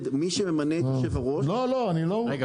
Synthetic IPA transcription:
d̪miʃememanet̪joʃevaʁoʃloloaniloeɡa

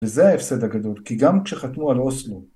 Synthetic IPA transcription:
ezeaefsed̪haɡad̪o̞lkiɡamkʃeχat̪nualo̞slo

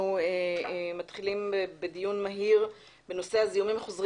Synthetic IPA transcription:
uematχilimebedijunmaɦiʁ | beno̞se̞hazijumimeχozʁ

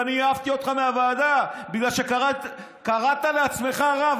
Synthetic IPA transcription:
aniavt̪io̞t̪χameavaːd̪abiɡlalʃe̞k | kaʁat̪aleat͡sme̞χaʁav

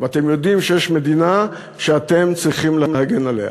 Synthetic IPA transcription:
veat̪e̞mjo̞dimʃejeʃme̞d̪ina | ʃeat̪e̞mt͡sʁiχimlemlehaɡenalḛa̰

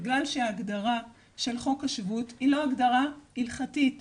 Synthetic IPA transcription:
ɡlalʃeaːɡdaʁa | ʃe̞lχo̞kaʃvutilo̞aɡdaʁailχatit

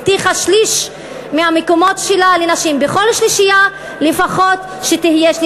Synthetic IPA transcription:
t̪iχaʃliʃ | meamekomo̞tʃelalenaʃimbeχo̞lʃliʃija | lefaχo̞t̪ | ʃet̪ihijeʃl

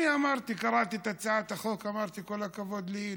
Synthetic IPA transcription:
iʔamɑɾˤt̪ikɑɾˤɑːt̪it̪at̪saʕat̪axoðkamɑɾˤt̪ikʊlːakabod̪li

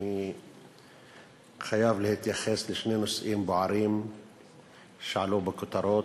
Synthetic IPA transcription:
i | xajaːvlɪhɪt̪jaxɛslɪʃneːnʊsʔiːmbʊʕɑɾiːm | ʃʕluːbɪkʊt̪ɑɾˤoːt̪

